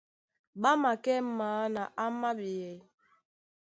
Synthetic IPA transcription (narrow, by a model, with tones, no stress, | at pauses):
ɓa˦ma˨kɛ˦m̩˦maː˨˦na˨ʔa˦ma˦ɓi˨jɛ˨